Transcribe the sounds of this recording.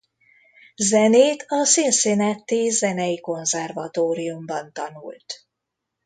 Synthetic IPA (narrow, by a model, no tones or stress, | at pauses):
zɛneːt̪ʰɒsinsinɛt̪ːizɛnɛjiko̞nzɛrvɒt̪oːɾiumbɒnt̪ɒnṵlt̪